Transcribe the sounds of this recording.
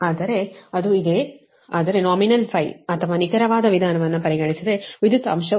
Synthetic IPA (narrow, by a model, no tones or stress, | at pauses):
aːd̪ɐɾe̞ɐd̪uid̪e | aːd̪ɐɾe̞naːminɐlpʰɐjɐt̪ʰɐʋaːnikɐɾɐʋaːd̪ɐʋid̪ʱaːnɐʋɐnːupɐɾiɡɐɳisid̪e̞ʋid̪ʱjut̪ɐɐmʃɐ